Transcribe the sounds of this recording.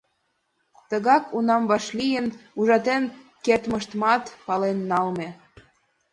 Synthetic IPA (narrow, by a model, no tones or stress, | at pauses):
t̪əɣɑkʰunɑmbɑʃlijənuʒɑt̪en | kert̪məʃt̪mɑt̪pɑlenːɑlme